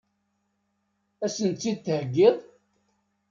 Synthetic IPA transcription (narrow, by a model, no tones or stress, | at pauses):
æsənt̪ːiθhəɡːɪðˤ